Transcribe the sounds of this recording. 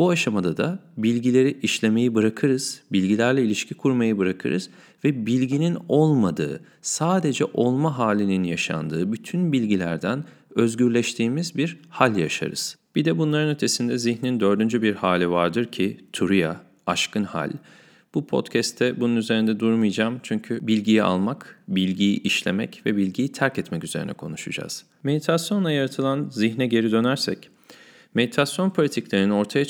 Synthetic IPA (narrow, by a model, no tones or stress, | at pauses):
b̥uaʃamad̪ad̪abilʲɟilʲe̞ɾiʔiʃlʲe̞me̞jibɯɾakʰɯɾɯz̥bilʲɟilʲæɾlʲɛilʲiʃcʰikʰuɾmajɯbɯɾakʰɯ̰ɾɯ̰z̥ | vɛbilʲɟinino̞lˠmad̪ɯ̰ː | saːd̪e̞d͡ʒɛʔo̞lˠmaɦaːlʲininjaʃa̰nd̪ɯːbyt̪ʰynbilʲɟilʲæ̰ɾd̪æn | ø̞zɟyɾlʲɛʃt̪ʰiːmizbiɾhalʲjaʃa̰ɾɯ̰z̥b̥id̪ɛbunlˠaɾɯnø̞t̪ʰe̞sind̪ɛziçnind̪ø̞ɾd̪ynd͡ʒybiɾhaːlʲivaɾd̪ɯɾcʰit̪ʰuɾuja | aʃkɯnha̰lʲ | b̥upʰo̞̰t̪cʰɛst̪ʰːɛbununyze̞ɾind̪ɛd̪uɾmɯjd͡ʒaːmt͡ʃʰyɲcʰybilʲɟijia̰lˠmakbilʲɟijiʔiʃlʲemɛ̰cvɛbilʲɟijit̪ʰæɾcɛt̪mɛcyze̞ɾḭnɛ̰kʰo̞̰nuʃud͡ʒa̰z̥ | me̞d̪it̪ʰasjo̞nˠajaɾat̪ʰɯlˠanziçnɛɟe̞ɾid̪ø̞næɾsɛc | me̞d̪it̪ʰasjo̞npʰo̞lʲit̪ʰiclʲe̞ɾinio̞ɾt̪ʰaja